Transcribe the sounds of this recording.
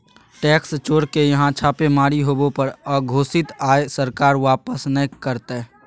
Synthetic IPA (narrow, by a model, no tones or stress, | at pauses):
ʈɛːkst͡ʃoːɽkejɐɦãt͡ʃʰaːpemaːɾiɦoːbõpəɾɔːɾɡʱoːsɪt̪aːesəɾkaːɾʋaːpəsnəkəɾt̪ː